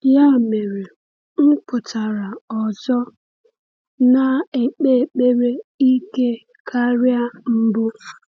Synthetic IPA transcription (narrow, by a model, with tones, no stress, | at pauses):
ja˦˨me˨ɾe˨ | m̩˦pʊ˨ta˨ɾa˨ɔ˨zɔ˦ | na˨e˨k͡pe˦˨k͡pe˦ɾe˦i˦ke˦ | kʰa˦ɾja˦m̩˦bʊ˦